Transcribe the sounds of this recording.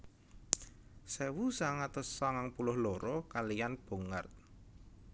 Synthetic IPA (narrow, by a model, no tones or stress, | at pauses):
sewusaŋat̪əsːaŋaŋpulʊhlɔɾɔkalijanb̥o̤ŋa̰rt̪̚